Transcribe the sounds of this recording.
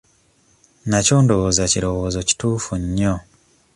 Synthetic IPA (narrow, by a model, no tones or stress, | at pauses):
naco̞ːndowoːzaciɾo̞woːzo̞ci̥tuːfuɲːo